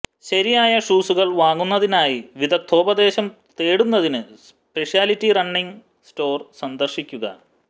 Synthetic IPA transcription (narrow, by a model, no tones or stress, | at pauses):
ɕɐɾijaːjɐʂuːsuɣɐɭʋaːŋːunːɐðinaːjiʋid̪ɐk̚t̪ʰo̞ːbɐd̪e̞ːɕɐm | t̪e̞ːɽunːɐðinɨs | pe̞ʂijaːlitːirɐɳːiŋ | sʈo̞ːrsɐnd̪ɐrʂikʲːuɣɐ̰